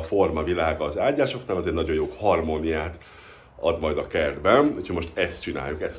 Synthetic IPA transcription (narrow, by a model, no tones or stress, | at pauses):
fo̞rmɒvilaːɡɒːzaːɟːaːʃo̞knaːlɒzeːrt̪nɒɟo̞joːkhɒrmonijaːt̪ | ɒd̪mɒjd̪ɒkɛrd̪bɛnuchomo̞ʃt̪ɛst̪̚t͡ʃina̰ːjːukɛst̪